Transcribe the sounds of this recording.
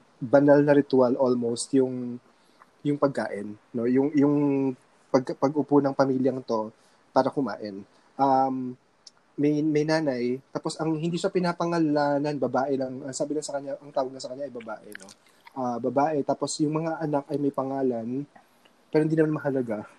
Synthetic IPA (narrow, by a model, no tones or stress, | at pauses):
bɐnalnɐɾɪt̪ʊalʔolmowst̪jʊŋ | jʊŋpɐɡ̚ka̰ːʔɪnːo̞jʊŋjʊŋ | pɐɡ̚kɐpɐɡʔʊponɐŋpɐmiːljɐŋt̪o̞ | paːɾɐkʊma̰ːʔɪn | ʔamː | ɐjmɐjnaːnɐjt̪aːpo̞sɐŋhɪnd̪iːʃapɪnapɐŋɐlaːnɐnbɐbaːʔɛlɐŋʔɐsaːbɪlɐsɐkɐɲɲaʔɐŋt̪aːwɐɡnɐsɐkɐnɲːaʔɐjbɐbaːʔɛno̞ | ʔabɐbaːʔɛt̪aːposjʊŋmɐŋaʔɐnakɐjmɐjpɐŋaːlɐn | pɛɾhɪninɐmanmɐɦɐlɐɡa